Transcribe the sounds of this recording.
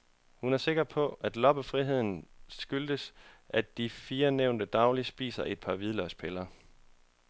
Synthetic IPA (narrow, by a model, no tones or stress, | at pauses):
hunæɐse̝ɡ̥ɐpʰɒ̽ʔæd̥lɒ̽b̥əfʁiɦe̝ð̰ˠn̩sɡ̥yld̥əsʔædd̥ifiːɐneʊ̰nd̥əd̥ɑ̈ʊlisb̥ḭːsɐʔe̝d̥̚pʰɑ̈ʋiðˠlœspʰelɐ